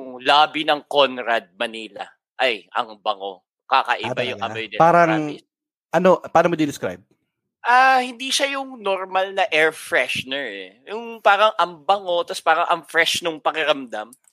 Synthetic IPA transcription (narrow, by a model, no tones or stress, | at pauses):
jʊŋlaːbinɐŋko̞nɾad̪̚mɐniːlɐ̰ | ʔɐjʔɐ̰ŋbɐŋo̰ | kakɐʔɪbajʊŋʔɐ̰bɐjd̪ɛpaːɾɐŋ | ʔɐnoʔpaːnɐmod̪ɪd̪ɪskɾa̰jb̚ | ʔahɪnd̪iːʃɐjʊŋnoɾmalnɐʔɛɹfɹɛʃnɛɹɛ̰jʊŋpaːɾɐŋʔɐmbɐŋo̞t̪ɐspaːɾɐŋʔɐmfɾɛʃnʊŋpɐkɪɾɐmd̪am